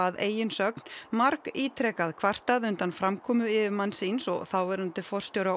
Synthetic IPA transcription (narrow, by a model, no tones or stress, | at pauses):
aðeːjɪnsœknmaɾkiːt̪ʰɾɛkaðkʰvar̥t̪aðʏnt̪anfɾamkʰɔːmʏɪvɪmanːsinsɔ̰ɣθawvɛɾant̪ɪfɔr̥st̪joːwɾa